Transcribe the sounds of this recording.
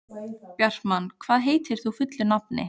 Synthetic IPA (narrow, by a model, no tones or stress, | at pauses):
pjɛr̥t̪mankʰvaːðɦeːjt̪ɪɾ̥θufʏt̪lʏnap̚nɪ̰